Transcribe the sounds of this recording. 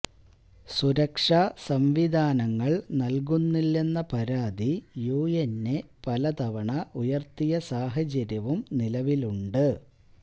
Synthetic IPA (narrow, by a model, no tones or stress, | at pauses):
suɾɐkʂaːsɐmʋid̪ʱaːnɐŋːɐɭnɐlk̬unːilːe̞nːɐpɐɾaːd̪ijuːjenːe̞pɐlɐt̪ɐʋɐɳɐʔujɐrt̪ijɐsaːɦɐt͡ɕɐɾjɐʋumnilɐʋiluɳɖɨ